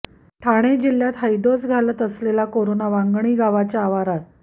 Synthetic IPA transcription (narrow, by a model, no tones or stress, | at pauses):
ʈʰaɽ̃ed͡ʑil̤ːjat̪ɦəjd̪osɡʱalət̪əslelakoɾonaʋaŋɡɳ̃iːɡaʋat͡ɕaːʋaɾat̪